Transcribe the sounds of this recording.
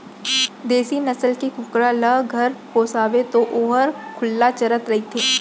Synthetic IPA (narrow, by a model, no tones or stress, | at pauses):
d̪eːsinɐsəlkekʊkɾalɐɡʱɐɾpoːsaːʋet̪oʔoːɦəɾkʰʊlːat͡ʃɐɾət̪ɾɐɦit̪ʰeː